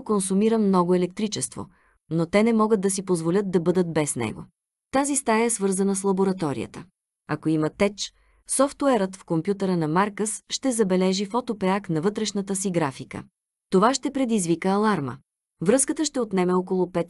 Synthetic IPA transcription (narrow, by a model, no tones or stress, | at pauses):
konsumiɾəmnɔɡʊɛlɛk̚t̪ɾit͡ʃɛst̪vo̰ | not̪ɛnɛmɔɡəd̪̚d̪ɐsipozvolʲɤt̪̚d̪ɐbɤd̪ət̪̚bɛsnɛ̰ɡo̰ | t̪azist̪ajəɛsvɤɾzənəslˠɐboɾɐt̪ɔɾḭjə̰t̪ə | ɐkoimɐt̪ɛt͡ʃ | sɔft̪uɛɾət̪fkompjut̪əɾənɐmaɾkəsʃt̪ɛzɐbɛlɛʒifɔt̪opɛaknɐvɤt̪ɾɛʃnət̪əsiɡɾafikə̰ | t̪ovaʃt̪ɛpɾɛd̪izvikəɐlˠaɾmə̰ | vɾɤskət̪əʃt̪ɛot̪nɛmɛɔkolˠʊpɛt̪